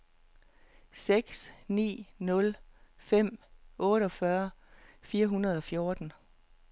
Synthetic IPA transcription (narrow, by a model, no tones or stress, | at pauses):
seɡ̥snḭːnɔ̽lfem̰ɔ̽ːɾəɒ̽fɶɐfiːɐɦunɐð̞ˠɒ̽fjo̝ɐd̥n̩